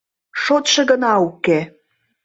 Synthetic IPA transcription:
ʃot̪ʃɤ̆ɣənɑuke

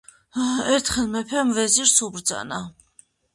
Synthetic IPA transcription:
ɛɾt̪ʰχɛlˠmɛpʰɛmvɛziɾsubɾd̪za̰na

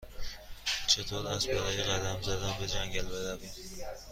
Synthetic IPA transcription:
t͡ʃʰet̪ʰoɾæzbeɾɒːjeɢæd̪æmzæd̪ænbed͡ʒæŋɟælbeɾævim

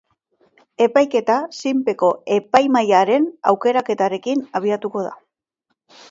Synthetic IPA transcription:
e̞pajke̞t̪asimpe̞ko̞e̞pajmajaɾe̞na̰wke̞ɾake̞t̪aɾe̞kinaβ̞iat̪uko̞ð̞a̰

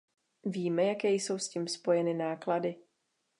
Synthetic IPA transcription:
viːmɛjakɛːjso̞wsciːmspo̞jɛnɪnaːkladɪ

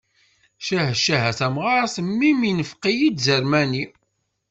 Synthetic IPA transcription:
ʃæɦʃæɦæθæmʁaɾˤsəmːiminəfqːijid̪zəɾmæni

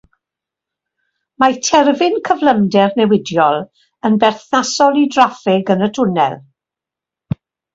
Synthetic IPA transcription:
matʰɛrvɪnkʰəvləmdɛrnɛwɪdjɔlˠ | ənbɛrθnasɔlˠidrafɪɡənətʰʊnɛ̰lˠ

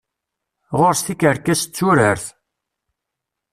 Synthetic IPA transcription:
ʁʊɾst̪ikəɾkːæst͡sːuɾəɾθ

